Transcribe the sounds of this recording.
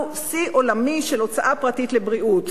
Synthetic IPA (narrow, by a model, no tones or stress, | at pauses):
siʔo̞lamiʃelo̞t͡saʔapʁatit̪lebʁiʔut̪